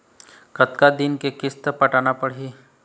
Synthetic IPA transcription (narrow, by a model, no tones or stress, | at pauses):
kət̪kad̪inkekɪst̪əpəʈanapəɽ̤ɦiː